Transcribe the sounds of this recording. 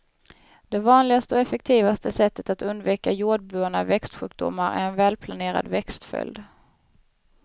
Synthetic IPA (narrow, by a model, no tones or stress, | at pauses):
d̪̥ɛvɑːnlɪɡast̪əɔɛfɛk̚t̪ʰiːvast̪əsɛt̪ːət̪at̪ɵnd̪viːkajuːɖ̚bʉːaɳa̰vɛkst̪ɧʉ̟ːk̚d̪ʊ̰mːaɾʔæ̰ɾɛnvɛːlpʰlaneːɾa̰d̪vɛkst̪fœ̰ld̪